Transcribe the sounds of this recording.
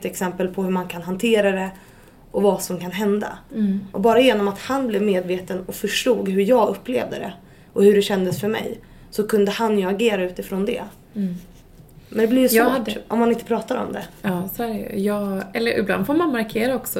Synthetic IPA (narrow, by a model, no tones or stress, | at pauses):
t̪ɛksɛmpəlpʰɔhɵɾmankʰanɦant̪ʰeːɾad̪ɛ | ʔɔvasɔmkʰanɦɛnd̪a̰ʔɔbɑːɾajeːnɔmat̪hanblɛvmeːd̪veːt̪ənɔfœʂʈuːɡɦɵɾjɑːɡɵpːlḛːvd̪əd̪ɛ̰ | ʔɔhɵɖɛɕɛnd̪əsfœɾmɛ̰j | sɔkɵnd̪əhanjɵaɡeːɾaʉ̟ːt̪ɪfɾoːnd̪ɛ̰ | mɛnd̪ɛblɪɾjɵsoːʈʔɔmhanɪnt̪əpʰɾɑːt̪aɾɔ̰md̪ɛ̰ɑːsæɾj̰jɑːɛlːəɾʔɪ̰bla̰nd̪̥foːɾmanmaɾkʰeːɾaɔksɔ